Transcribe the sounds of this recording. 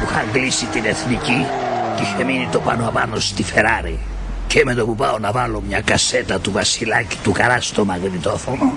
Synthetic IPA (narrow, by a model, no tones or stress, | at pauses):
puxɐŋɡlisit̪ineθnici | t̪içeminit̪opɐnoɐpɐnost̪ife̞ɾɐɾi | cemet̪opupɐonɐvɐlo̞mɲɐkɐse̞t̪ɐt̪uvɐsilɐci̥t̪ukɐɾɐst̪o̞mɐɣɾit̪o̞fono